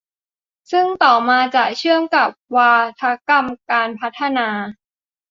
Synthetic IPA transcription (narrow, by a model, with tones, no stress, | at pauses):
sɯ˥˩ŋt̪ɔː˨˩maː˧t͡ɕa˨˩t͡ɕʰɯ˥˩əŋka˨˩p̚waː˧t̪ʰa˦˥ka˧mkaː˧npʰa˦˥t̪ʰːa˧naː˧